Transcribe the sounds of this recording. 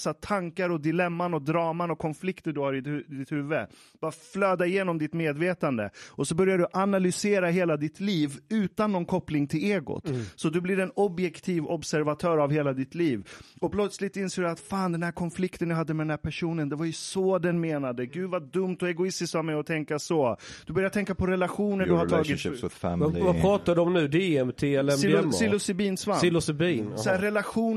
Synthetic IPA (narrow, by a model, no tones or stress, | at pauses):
sat̪ʰaŋkaɾɔd̪ɪlɛmːanɔd̪ɾɑːmanɔkʰɔnflɪkt̪əɖɵhaɾɪd̪ɪt̪hʉ̟ːvːə | b̥ɑːɾaflœːd̪aɪjeːnɔmd̪ɪt̪meːd̪veːt̪and̪ə̰ɔsɔbœɾjaɖ̪ɵʔanalʏseːɾaɦeːlad̪ɪt̪liːvʉ̟ːt̪anːɔnkʰɔplɪŋt̪ʰɪleːɡʊ̰t̪sɔd̪ɵblɪɾɛnɔbjɛkt̪ʰiːvɔbsæɾvat̪ʰœːɾavheːlad̪ɪt̪liːvɔpʰlœt̪slɪt̪ɪnseːd̪ɵat̪faːnd̪ɛnhæːɾkʰɔnflɪkt̪ənjaɦad̪ːəmɛd̪ɛnhæːɾpʰæʂuːnənd̪ɛvaɾjɵsɔd̪ɛnmeːnad̪əɡʉ̟ːd̪vaɖɵmt̪ɔɛɡʊɪst̪ɪst̪vavmɛjɔt̪ʰɛŋkasɔd̪̥ɵbœɾjat̪ʰɛŋkːapʰɔɾɛlaɧuːnədɵhaɾt̪ʰɑːɡɪt̪ | vapʰɾɑːt̪ad̪əɔmnʉ̟ːd̪eɛmt̪ʰeːɛlɛmsɪlʊsɪbiːnsvaɪlʊsɪbiːnɛɾɛlaɧuːn